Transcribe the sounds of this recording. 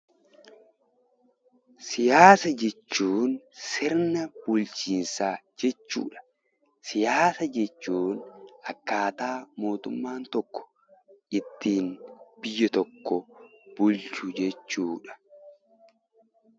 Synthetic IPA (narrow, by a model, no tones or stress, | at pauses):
sɪjaːsɐd͡ʒɛt͡ʃːuːnsɪɾnɐbʊlt͡ʃiːnsaːd͡ʒɛt͡ʃːṵːᶑɐ̥ | sɪjaːsɐd͡ʒɛt͡ʃːuːnʔɐkːaːt̪aːmo̞ːt̪ʊmːaːnt̪ɔkːɔ̥ | ʔɪt̪ːiːnbɪjːɐt̪ɔkːɔb̥ʊlt͡ʃʊd͡ʒɛt͡ʃːuːᶑɐ̥